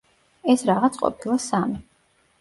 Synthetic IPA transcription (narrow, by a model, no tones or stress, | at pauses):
ɛsɾaʁat̪sʰʼqʼɔ̰pʰilˠasami